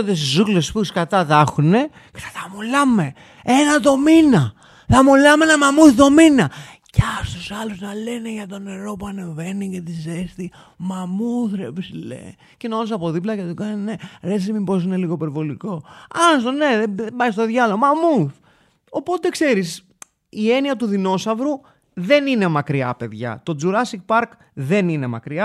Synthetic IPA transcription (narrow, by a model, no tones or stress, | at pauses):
d̪esizuklesspuskɐt̪ɐðɐxune̞ | ce̥θɐθɐmulɐme̞ | e̞nɐðo̞minɐ | θɐmulɐmeenɐmamuθðo̞minɐcɐst̪usɐluznɐle̞neʝɐt̪o̞ne̞ɾo̞puɐne̞ve̞nice̞t̪izest̪i | mamuuθɾepslḛ | cenonos̬ɐpo̞ðiplɐcet̪ukɐnene̞ɾesimipo̞s̬ine̞liɣo̞ipe̞ɾvo̞liko̞ɐnst̪one̞ðeðebɐjst̪o̞ðʝɐlomɐmuθ | o̞po̞t̪e̞kse̞ɾis | ie̞niɐt̪uðino̞sɐvɾu | ðe̞nine̞mɐkɾiɐ̰pe̞ðʝɐ̰t̪o̞d͡zuɾɐsik̚pɐɾk | ðe̞nine̞mɐ̰kɾiɐ